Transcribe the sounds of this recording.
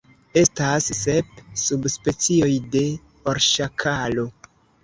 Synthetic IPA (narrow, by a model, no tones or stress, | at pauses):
e̞stasːe̞p̚subspe̞t͡sio̞jde̞ | oɾʃakʰalo̞